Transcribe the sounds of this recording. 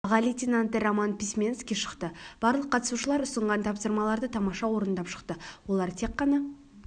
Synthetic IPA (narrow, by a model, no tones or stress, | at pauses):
ʁɑlit̪ʲenant̪əɾamanpʲismʲenskʲijʃə̥qt̪əb̥ɑɾlˠəqʰːɑt̪ə̥suʃəlˠɑɾʊsəɴʁɑnt̪ʰɑpsəɾmɑlˠɑɾd̪ət̪ʰɑmɑʃɑwo̞ɾənd̪ɑpʃə̥qt̪əwo̞lˠɑɾt̪ʰe̞qːɑnɑ